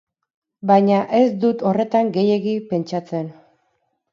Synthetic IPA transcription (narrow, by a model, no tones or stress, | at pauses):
bajɲaʔe̞sd̪ut̪o̞re̞t̪aŋɡe̞je̞ɣipe̞nt͡ʃat͡se̞n